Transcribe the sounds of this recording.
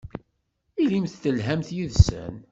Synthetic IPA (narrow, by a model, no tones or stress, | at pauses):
ilimθθəlɦæmθjiðsə̰n